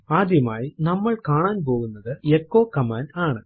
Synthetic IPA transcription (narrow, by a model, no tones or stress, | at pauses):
aːd̪jɐmaːjinɐmːɐɭkaːɳaːnp̬o̞ːɣunːɐðɨekːoːkɐmaːnaːɳɨ